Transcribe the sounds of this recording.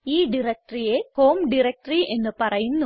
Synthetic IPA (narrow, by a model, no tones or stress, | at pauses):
iːɖiɾek̚ʈrijehoːmɖiɾek̚ʈriʔenːɨpɐrɐjunːu